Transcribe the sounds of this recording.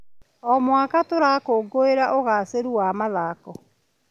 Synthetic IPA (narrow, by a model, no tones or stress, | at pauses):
ɔmwakatoɾaːkoːɡoeɾaʔoɣaseɾuwamaðaːkɔ